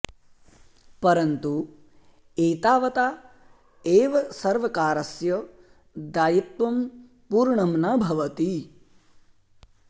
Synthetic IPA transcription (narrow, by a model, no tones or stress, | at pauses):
pɐɾɐnt̪u | eːt̪aːʋɐt̪aː | eːʋɐsɐɾʋɐkaːɾɐsjɐ | d̪aːjit̪ʋɐm | puːɾɳɐmnabʱɐʋɐt̪i